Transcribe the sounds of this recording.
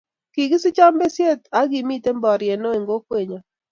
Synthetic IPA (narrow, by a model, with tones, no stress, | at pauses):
ki˨ɡɪ˦sɪ˦t͡ʃa˦mbe˦sje˦t̪a˨˦ɡi˨mi˦te˦mbɔ˨ɾje˨no˦e˨ŋɡo˦kwe˨ɲa˨